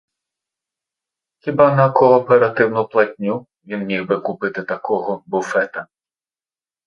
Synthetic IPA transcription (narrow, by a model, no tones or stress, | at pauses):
xʲibɑnɐkɔːpeɾɐt̪ɪwnʊplˠɐtʲnʲu | ʋʲinmʲiwʋɪkʊpɪt̪ɪt̪ɐkɔɦɔbʊfɛt̪ɐ